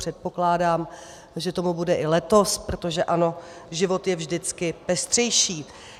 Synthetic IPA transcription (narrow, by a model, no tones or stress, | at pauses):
r̝̥ɛt̪̚po̞klaːdaːm | ʒɛt̪o̞mubudɛʔɪlɛt̪o̞spɾo̞t̪o̞ʒɛʔano̞ | ʒɪvo̞t̪jɛvʒdɪt͡skɪpɛst̪r̝̥ɛjʃiː